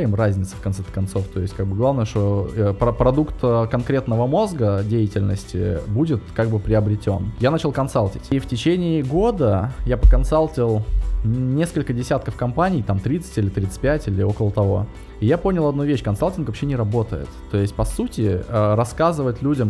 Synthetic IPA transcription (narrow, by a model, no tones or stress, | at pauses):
ɪmrazʲnʲɪt̪sə̥fkɐnt̪ɛt̪kɐnt̪so̞ft̪o̞ɪsʲtʲkaɡ̚bɨɡlˠavnəjəʂt̪o̞əpɾɐpɾɐd̪ukt̪əkɐnkɾʲet̪nəvəmo̞zɡədʲejɪtʲɪlʲnə̰sʲtʲɪ̰budʲɪt̪kaɡ̚bɨpɾʲɪəbɾʲɪtʲo̞njanat͡ɕɪlˠkɐnsalʲˠtʲɪtʲiftʲɪt͡ɕenʲɪːɡo̞d̪əjapəkɐnsalʲˠtʲɪlˠnʲe̞skəlʲkədʲɪsʲat̪kəfkɐmpanʲɪjt̪amt̪ɾʲit̪sə̥tʲilʲɪt̪ɾʲit̪sɨ̥tʲpʲætʲilʲɪo̞kəlˠət̪ɐvo̞ | ɪjapo̞nʲɪlˠɐd̪nuvʲeɕːkɐnsalʲˠtʲɪnkvɐpɕːenʲɪɾɐbo̞t̪ə̰jɪ̰t̪ːo̞ɪsʲtʲpɐsutʲɪəɾɐskazɨvətʲlʲudʲəm